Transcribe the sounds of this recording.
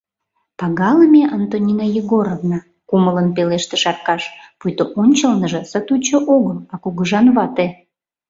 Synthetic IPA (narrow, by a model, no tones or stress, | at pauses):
pɑɣɑləmʲeʔɑnt̪onʲinajiɣoɾovnɑ | kumələnpeleʃt̪eʃɑrkɑʃpujt̪oʔonʲt͡ɕəlnəʒə̆sət̪ut͡ɕəʔoɣəlɑkuɣəʒɑnβɑt̪e